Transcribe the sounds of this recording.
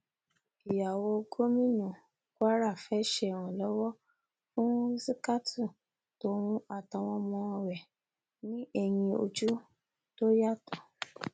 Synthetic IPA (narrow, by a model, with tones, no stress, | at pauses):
i˨ja˨wɔ˧ɡo˦mĩ˦nũ˨ | kwa˦ɾa˦˨fɛ˨˦ʃɛ˧˨w̃ũ˨lɔ˨˦wɔ˦ | fũ˦si˦ka˦tʰu˦˨ | to˧˦ɾ̃ũ˦a˦˨ta˧w̃ɔ̃˧˦mɔ̃˧wɛ˨ | nĩ˦ʔɛ˧j̃ĩ˧o˧d͡ʒu˦ | to˦ja˦˨tu˨